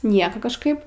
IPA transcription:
ˈnʲiɛkoː kɐʃˈkɐɪp

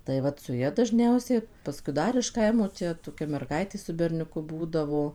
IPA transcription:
tɐɪ ˈʋɐt sʊ ˈjɛ dɐʒʲˈnʲɛʊsʲɛɪ pɐˈskʊɪ ˈdɐr ɪʃ ˈkɐɪmoː ˈt͡ʃʲɛ toːˈkʲɛ mʲɛrˈɡɐɪtʲeː sʊ bʲɛrʲnʲʊˈkʊ ˈbuːdɐʋoː

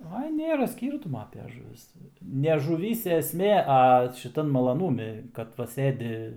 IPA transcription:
ˈɐɪ ˈnʲeːrɐ ˈsʲkʲiːrtʊmoː ɐpʲɛ ʒʊˈʋʲɪs nʲɛ ʒʊˈʋʲiːsʲɛ ɛsʲˈmʲeː ɐ ʃʲɪˈtɐn mɐlˠɐˈnuːmʲɪ kɐt ˈʋɐ ˈsɘdʲɪ

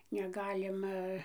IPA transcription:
nʲɛˈɡɑːlʲɪmɐ

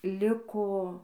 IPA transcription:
ˈlʲɪkoː

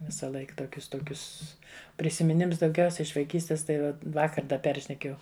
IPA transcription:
ʋʲɪsɐˈlˠɐɪk toːˈkʲʊs ˈtoːkʲʊs pʲrʲɪsʲɪmʲɪˈnʲɪms dɐʊˈɡʲɛʊsʲɛ ɪʃ ʋɐɪˈkʲiːsʲtʲɪs tɐɪ ˈʋɐ ˈʋɑːkɐr ˈdɐ ˈpʲɛrʲʃʲnʲɛkʲeːjɛʊ

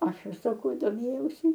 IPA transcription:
ˈɐʃ ɪr sɐˈkɐʊ doːˈmʲeːjɛʊsʲɪ

